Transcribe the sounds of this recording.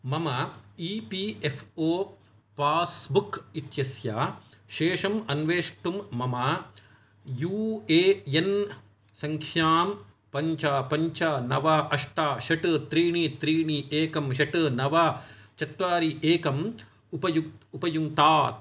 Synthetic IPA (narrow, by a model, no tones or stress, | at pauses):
mɐmɐipiefʰoː | paːsbukit̪jɐsjaːʃeːʂɐmɐnʋeːʂʈumːɐmɐ | juːeːjen | sɐŋkʰjaːm | pɐɲt͡ʃaːpɐɲt͡ʃanɐʋaːʔɐʂʈaːʃɐʈɨt̪ɾiːɳit̪ɾiːɳieːkɐmʃɐʈɨnɐʋaːt͡ʃɐt̪ɾaːɾiʔeːkɐm | upɐjuupɐjuŋt̪aːt̪̚